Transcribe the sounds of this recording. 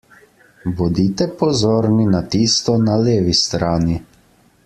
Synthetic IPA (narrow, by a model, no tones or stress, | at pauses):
bɔd̪it̪ɛpɔzoːɾninat̪iːst̪ɔnaleːʋist̪ɾaːni